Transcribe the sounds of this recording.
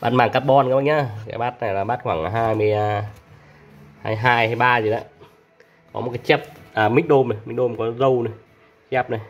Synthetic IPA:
ɓa̰ː˦˥t̚maː˧˩ŋkaː˦˥p̚ɓɔ˧nkːɓa˧jɲaː˧˩ka̰ː˨˩ɓaː˦˥t̚na˨˩jlaː˨˩ɓaː˦˥t̚xwaː˧˩ŋa˨˩ɦaː˧jmɨ˨˩a˧ | haː˧jɦaː˧jhaː˧jɓaː˧zi˨˩ɗa̰ː˨˦ | kɔ˨˦ɔ˨t̚kaː˨˦jt͡ɕɛ˦˥p̚ʔaː˨˩mi̟˦˥ɗo˧mna˨˩jmi̟˦˥ɗo˧mkɔ˨˦zə˧wnə˨˩j | t͡ɕɛ˦˥p̚na˨˩j

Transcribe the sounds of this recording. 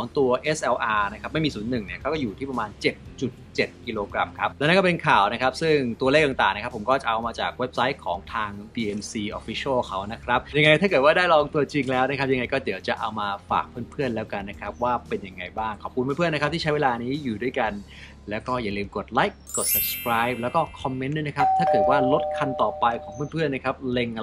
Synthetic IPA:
kʰɔː˩˦ŋt̪u˧ɐʔe˦˥sʔɛ˧wʔaː˧na˦˥kʰɾa˦˥p̚ma˥˩jmiː˧suː˩˦nːɯ˨˩ŋni˥˩ɐkʰːwkɔː˥˩juː˨˩t̪ʰiː˥˩pɾa˧maː˧nt͡ɕe˨˩t̪̚t͡ɕu˨˩t̪̚t͡ɕe˨˩t̪̚ki˧loː˧kɾa˧mkʰa˦˥p̚lɛː˧˦˥na˥˩kɔ˥˩pe˧nkʰaː˨˩wna˦˥kʰɾa˦˥p̚sɯ˥˩ŋt̪u˧ɐleː˥˩k̚t̪a˨ŋt̪aː˨˩ŋna˦kʰa˦˥pʰːo˩˦mkɔː˥˩t͡ɕa˨˩ʔa˧wmaː˧t͡ɕa̰ː˨˩k̚we˦˥p̚sa˦˥j̚kʰɔː˩˦ŋt̪ʰaː˧ŋdiː˧ʔe˧msiː˧ʔɔː˧fi˦˥sʰɯː˥˩kʰa˦˥wna˦˥kʰɾa˦˥p̚ja˧ŋa˧jt̪ʰaː˥˩kɤː˨˩t̪̚wːdaː˥˩jɾɔː˧ŋt̪u˧ɐt͡ɕi˧ŋlɛː˦˥wna˦˥kʰa˦˥p̚ja˧ŋa˧jkɔː˥˩di˩˦əwt͡ɕa˨˩ʔa˧wmaː˧fa̰ː˨˩k̚pʰɯː˥˩˨npʰɯ˥˩ənlɛː˦˥wka˧nːa˦˥kʰɾa˦˥p̚waː˥˩pe˧nja˧ŋːa˧jbaː˥˩ŋkʰɔː˨˩p̚ku˧npʰːpʰən˦˥kʰp̪̚ʰiː˥˩t͡ɕa˦˥jweː˧laː˧niː˦˥juː˨˩du˥˩əjka˧n | lɛː˦˥wkɔː˥˩jaː˨˩lɯː˧mko˨˩t̪̚la˦˥jkːo˨˩t̪̚sa˨˧˩p̚skʰɾaː˦˥jp̚lɛː˦˥wkɔː˥˩kʰɔ˧mːe˦˥nːu˦˥˩na˦˥kʰa˦˥p̚t̪ʰaː˥˩kɤː˨˩t̪̚waː˥˩lo˦˥t̪̚kʰa˧nt̪ɔː˨˩pa˧jkʰɔː˩˦ŋpʰɯː˥˩˨npʰɯ˥˩ənːa˦˥kʰɾa˦˥p̚le˧ŋ˧

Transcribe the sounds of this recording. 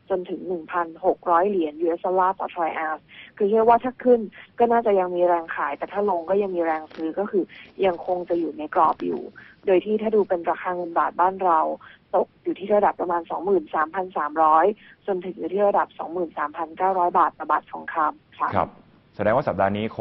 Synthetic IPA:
t͡ɕo˧nt̪ʰɯ˩˦ŋnɯ˨˩ŋpʰa˧nho˨˩k̚ɾɔː˦˥jli˨˩˦ənjuː˧ʔe˦˥sʔa˧laː˥˩t̪ɔ̰˨˩t̪ʰɾɔː˧jʔaː˧˥skʰɯː˧t͡ɕʰɯ˥˩k̚waː˥˩aː˥˩kʰɯ˥˩nkɔː˥˩naː˥˩t͡ɕa˨˩ja˧ŋmiː˧ɾɛː˧ŋkʰaː˩˦jt̪ɛː˨˩t̪ʰaː˥˩lo˧ŋkɔː˥˩ja˧ŋmiː˧ɾɛː˧ŋsɯː˦˥kɔː˥˩kʰɯː˧ja˧ŋkʰo˧ŋt͡ɕa˨˩juː˨˩na˧jklɔː˨˩p̚jṵː˨˩doː˧jt̪ʰiː˥˩t̪ʰaː˥˩duː˧pe˧nɾaː˧xʰaː˧ŋɤ˧nbaː˨˩t̪̚baː˥˩nɾa˧wt̪o˨˩k̚juː˨˩t̪ʰiː˥˩ɾa˧da˨˩pːɾa˧maː˧nsɔ̰˩˦ŋmɯː˨˩nsaː˩˦mpʰa˧nsaː˩˦mɾɔː˦˥j | t͡ɕo˧nt̪ʰɯ˩˦ŋjuː˨˩iː˥˩ɾa˧da˨˩p̚sɔ̰˩˦ŋmɯː˨˩nsaː˩˦mpʰa˧nkaː˥˩wɾɔː˦˥jbaː˨˩t̪̚ːɔ˧˩baː˨˩t̪̚sɔ̰˩˦ŋkʰaː˧mkʰa˦˧˩kʰa̰˧˩p̚ | sa˨˧˦dɛː˧ŋwaː˥˩sa˨˩p̚daː˧niː˦˥kʰ

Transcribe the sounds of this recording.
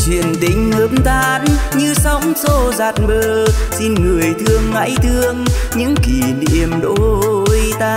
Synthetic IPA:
t͡ɕwḭ˧˨ənɗḭ̈˧˩ŋ̟həː˧˦mt̪ʰaː˧nɲɨ˧sɔ˨˦wŋ͡mso˧˩zaː˨˩t̚ɓəː˧˩si˧nŋɨ˨˩əjt̪ʰɨ˧əŋːa̰ː˧˥jt̪ʰɨ˧əŋɲɨ̰˧˥ŋki˨˩nḭ˧˩əmɗo̰˧˥˦jt̪aː˧

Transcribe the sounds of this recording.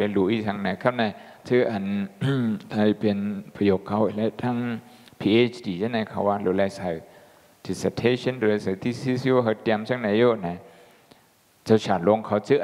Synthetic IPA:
a˧lu˧˦ʔi˧sʰa˧ŋna˨˧˦kʰa˧wna˧j | tʰɯ˧˥ʔa˨˩n | la˧jpe˨npʰa˧joː˨˩kʰːa˧˦wʔla˧˦t̪ʰa˧˥˨ŋ | pʰiː˧˨ʔe˧˥t͡ʃʰdiː˨sa˧˦na˧jkʰa˧˩waː˧lo˨˦la˧jsa˨˦ | di˨˧sa˧˩tʰe˧sə˧˥˨nlo˨˧la˧jsa˨˧˩t̪ʰi˧˩si˧˥si˧o˧kʰa˧t̪ɛ˧msa˥˨ŋna˧˦jo˧˨na˨˧˦ | t͡sa˧wt͡ɕaː˨˩nlo˧˨ŋkʰa˧wtʰɯ˧ʔ

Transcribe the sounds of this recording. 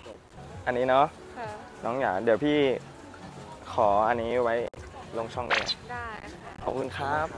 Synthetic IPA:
ʔa˧nːiː˦˥nɔ˦˥ʔ | nɔː˦˥ŋjaː˩kdi˩˦wpʰiː˥˩ | kʰɔː˩˦ʔa˧nːiː˦˥wa˦˥jlo˧ŋt͡ɕʰɔ˥˩ŋʔa̰ː˥˩la̰˧˨˩ | kʰɔ̰ː˨˩p̚kʰu˧nkʰaː˦˥p̚

